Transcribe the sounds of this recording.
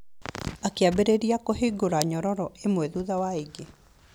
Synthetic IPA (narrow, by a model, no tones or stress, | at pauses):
akeabeɾeɾiakoɦiɡoɾaɲɔɾɔɾɔemwɛðuðawaeɡe